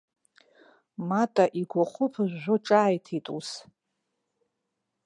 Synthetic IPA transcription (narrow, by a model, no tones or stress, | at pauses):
matʼaʔiɡʷaχʷʊpʰɨʒʷʒʷʊʈ͡ʂʼaːjtʰitʼus